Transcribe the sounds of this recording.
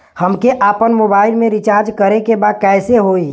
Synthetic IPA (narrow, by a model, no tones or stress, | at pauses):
həmkeʔaːpənmoːbaːɪlmẽɾɪt͡ʃaːɾd͡ʒkəɾekebaːd̪̚kɛːseɦoːi